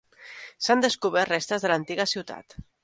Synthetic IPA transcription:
sand̪əskuβ̞ɛɾt̪rest̪əzðələnt̪iɣəsiwt̪a̰t̪

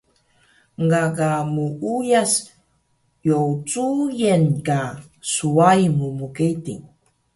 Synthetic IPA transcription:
ŋɡaɡamuʔujas | jowt͡sujenka | suajmumukejtḭŋ

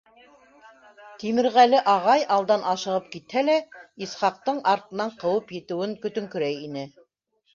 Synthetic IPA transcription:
t̪imɘ̆ɾʁælɘʔɑʁɑjɑlˠd̪ɑnʔɑʃɤ̆ʁɤp̚kit̪hælæisχɑq̚t̪ɤɴʔɑɾt̪ɤ̆nɑɴqɤ̆wɤpjɘ̆t̪ɘ̆wɘŋkɵ̆t̪ɵ̆ŋkɵ̆ɾæjinɘ

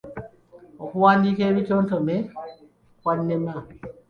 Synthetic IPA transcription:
ʔɔkuwandikewit͡ʃɔntɔmɛ | wanːɛma

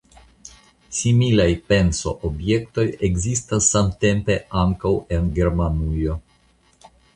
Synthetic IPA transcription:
similajpe̞nso̞̰ʔobje̞kt̪o̞jeɡzistasːamt̪e̞mpe̞aŋkawenɡe̞ɾmanujo̞

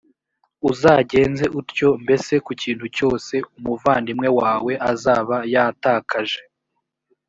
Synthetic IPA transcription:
uzaɟe̞ːnze̞ʔuɾco̞mbe̞se̞kuciːnthuco̞ːse̞umuvaːndimŋe̞waːwe̞ʔazaːβajataːkʰaʒe̞

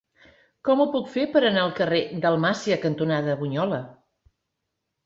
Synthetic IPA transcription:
kɔmupukfepəɾənaəlˠkəred̪əlˠmasiəkənt̪unaðəβuɲɔlə

